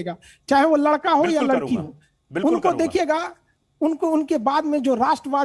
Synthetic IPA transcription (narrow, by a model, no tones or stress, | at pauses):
eːɡaː | t͡ʃaːɦeʋolɐɽkaɦojalɐɽkiɦoː | bʊnkod̪eːkʰijeːɡaː | ʊnkoʊnkebaːd̪mẽd͡ʒoːɾaːʃʈɾəʋaː